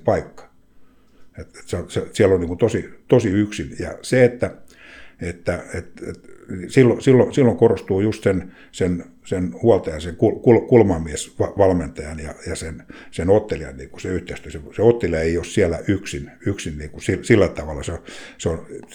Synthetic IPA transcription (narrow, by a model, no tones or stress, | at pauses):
pɑikːɑ̥ | et̪et̪seosesiælːonniːŋkunt̪osit̪osiyksinjɑ̰seet̪ːæ | et̪ːæet̪et̪nisilːosilːosilːoŋkorost̪uːjust̪sen | sen | senhuɑlt̪ɑjɑnseŋkulkulkulmɑmiesʋɑʋɑlment̪ɑjɑnjɑ̰jɑsensenot̪ːeliɑ̰nniːkuseyht̪eist̪yøseseot̪ːeliɑeiossiælːæʔyksinyksinniːkusilsilːæt̪ɑʋɑlːɑseoseon